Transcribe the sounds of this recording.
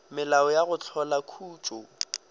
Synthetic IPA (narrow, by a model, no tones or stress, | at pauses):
mɪlaɔjaɣʊt͡ɬʰɔlakʰuːt͡ʃʼʊ